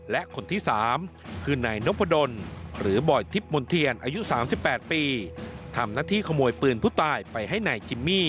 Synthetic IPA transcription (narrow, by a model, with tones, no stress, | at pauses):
lɛ˦˥ʔkʰo˧nt̪ʰiː˥˩saː˩˦m | kʰɯː˧naː˧jno˦˥pʰːa˧do˧nɾɯː˩˦bɔː˨˩jt̪ʰi˦˥p̚mo˧nt̪ʰi˧ənʔaː˧ju˦˥saː˩˦msi˨˩pːɛː˨˩t̪̚piː˧t̪ʰa˧mnaː˥˩t̪ʰiː˥˩kʰa˧moː˧jpɯː˨˩npʰuː˥˩t̪aː˧˩jpa˧jɦa˥˩jnaː˧jkʰi˧mːiː˥˩